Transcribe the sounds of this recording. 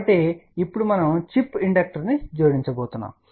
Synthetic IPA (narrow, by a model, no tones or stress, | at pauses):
ɐʈːeipːuɽumɐnɐmt͡ʃipːiɳɖɐk̚ʈɐɾnid͡ʒoːɾiɲt͡ʃɐboːt̪unːa̰ːm